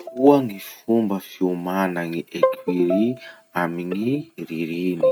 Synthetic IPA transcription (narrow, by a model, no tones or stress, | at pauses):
kuəŋifumbəfiumanaŋiʔekʰiɾi | amiŋiɾiɾini̥